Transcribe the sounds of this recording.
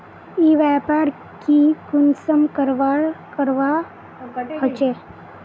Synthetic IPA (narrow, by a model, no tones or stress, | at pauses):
iʋɛpaɾ | kikunsəmkəɾʋaɭkəɾʋa | ɦət͡ʃe